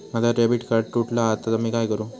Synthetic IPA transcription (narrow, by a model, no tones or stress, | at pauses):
mat̪aɾebiʈkaɾʈʈuʈʰlaat̪ːasamiːkajkəɾũː